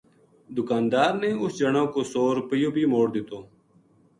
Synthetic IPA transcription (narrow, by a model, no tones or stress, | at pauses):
d̪ʊkaːnd̪aːɾneːʊsd͡ʒəɳõːkoːsoːɾpəjoːbʱiːmoːɽd̪ɪt̪oː